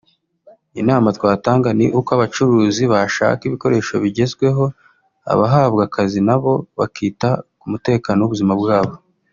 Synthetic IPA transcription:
inaːmatwaːtaːŋɡaniʔukoaβat͡ʃuɾuːziβaʃa̰ːkiβiko̞ɾe̞ʃo̞βiɟe̞zɡwe̞ɦo̞ | a̰βaɦaːβɡakazinaβo̞βa̰kʰiːtakumute̞ːkaːnowuβuzimabɡaːβo̞

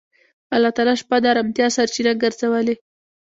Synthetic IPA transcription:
alːɑt̪ɑlɑʃpad̪aɾamt̪jɑsaɾt͡ʃinaɡəɾzawəle

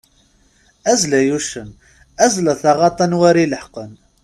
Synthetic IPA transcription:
æzlæjuʃən | æzlæθɑʁɑt̪ˤɑnwæɾiləħqən

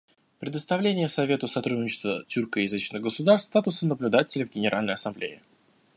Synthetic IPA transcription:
pɾʲɪd̪əst̪ɐvlʲenʲɪjəsɐvʲe̞t̪ʊsɐt̪ɾud̪ʲnʲɪt͡ɕɪ̥st̪vətʲurkəjɪzɨt͡ɕnɨɣɡəsʊd̪arst̪t̪at̪ʊsənəblʲʊd̪atʲɪlʲɪvɡʲɪnʲɪɾʔalʲnəjɐsɐmblʲḛɪ̰

